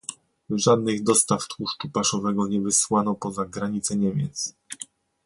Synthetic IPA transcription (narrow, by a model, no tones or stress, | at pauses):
ʐad̪̚nɘɣd̪ɔst̪aft̪wuʂt͡ʂupaʂɔvɛɡɔɲɛvɘswanɔpɔzaɡɾaɲit̪sɛɲɛmʲjɛt̪s